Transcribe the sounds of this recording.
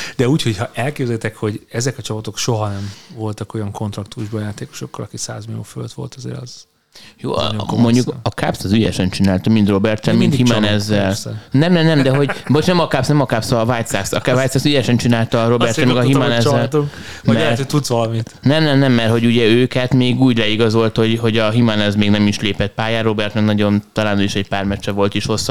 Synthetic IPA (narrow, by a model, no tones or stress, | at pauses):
d̪̥ɛuːcho̞chɒʔɛlkeːbzɛlt̪ɛkho̞ɟɛzɛkɒt͡ʃɒpɒt̪o̞kʃo̞ɦɒnɛɱvo̞lt̪ɒko̞jɒŋko̞nt̪ɾɒkt̪uʒbojaːt̪eːko̥ʃo̞kːɒlɒkiksa̰ːzmilijo̰ːføløt̪ʋo̞̰lt̪ʰɒzḛːɾɒ̰z̥ | jo̰ːmo̞ɲɟukɒkapsɒzyjɛ̰ʃɛnt͡ʃinaːlt̪ɒmint̪ro̞bɛrt̪ɛnmint̪himanɛzːɛlnɛmnɛmnɛmd̪ɛɦo̞ɟmoʃnɛmɒkapsnɛmɒkapsɒvajt̪saksɒkvajt̪saksyjɛʃɛnt͡ʃinaːlt̪ɒːɾo̞bɛrt̪ɛnmɛɡɒɦimanɛzɛlt̪uŋk | mɛrt̪t̪ut̪sʋɒlɒmit̪nɛmnɛmnɛmːɛrho̞ɟuɟɛøːkɛt̪meːɡuːɟlɛiɡɒzo̞lt̪ho̞ɟɦo̞ɟɒɦimanɛzmeːɡnɛmiʃleːpɛt̪̚paːjaːro̞bɛrt̪nɛɡnɒɟo̞nt̪ɒlaːnøjiʃɛc̚paːrmɛt͡ʃːɛvo̞lt̪iʃho̞sː